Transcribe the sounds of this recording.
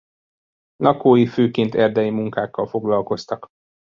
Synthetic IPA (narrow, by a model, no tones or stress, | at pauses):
lʔɒkoːjiføːkint̪ɛrd̪ɛjimuŋkaːkːɒlfo̞ɡlɒlko̞st̪ɒk